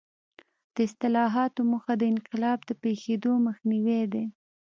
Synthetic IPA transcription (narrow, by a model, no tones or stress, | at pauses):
d̪̥əɪst̪ɪlɑɦɑt̪omuxad̪əɪnqɪlɑbd̪əpexed̪oməxniwed̪e